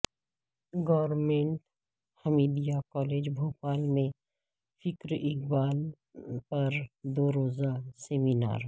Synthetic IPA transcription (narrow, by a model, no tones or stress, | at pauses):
ɡɔːɾmẽɳʈ | həmiːdijakɔːleːd͡ʒbʱoːpaːlmẽ | fɪkɾʔɪk̚baːl | pɐɾd̪oːɾoːzaseːmina̰ːɾ